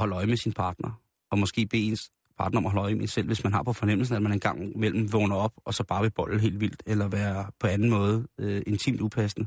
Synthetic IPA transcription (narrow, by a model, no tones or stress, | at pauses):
ɒ̽lɒ̽ɪəmesinpʰɑ̈ːd̥nɐ | ɒ̽mɒ̽sɡ̥e̝̰ːb̥e̝̰ːe̝ns | pʰɑ̈ːd̥nɐɒ̽mɒɦɒ̽lɒɪmeensel̰ʋe̝smænɦɑ̈pʰɒ̽fɒ̽nem̰l̩s̬n̩æd̥mæne̝nɡ̥ɑ̈ŋ̰mel̰m̩ʋɔːnɐɒ̽b̥ɒ̽sɒ̽b̥ɑ̈ːʋe̝b̥ɒ̽l̰̩ɦe̝̰ːldʋil̰d̥elɐʋæːɐpʰɒ̽ænn̩mɔ̽ːð̞̩ˠøe̝nt͡sʰḭːmd̥upʰæsnə